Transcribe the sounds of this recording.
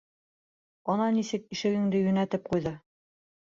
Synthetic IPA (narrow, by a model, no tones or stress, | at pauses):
ɒnɑnisɘk̚iʃɘ̆ɡɘ̆ŋd̪ɘjɵ̆næt̪ɘp̚qujðɤ